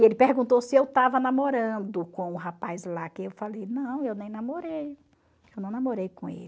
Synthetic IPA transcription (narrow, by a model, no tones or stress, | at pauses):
elɪpehɡũnt̪owsɪewt̪avɐnamoɾɐ̃d̪ʊkõw̃ʊɦapajzlakɪewfalejnɐ̃w̃ewnẽj̃namoɾej | ewnɐ̃namoɾejkõḛlɪ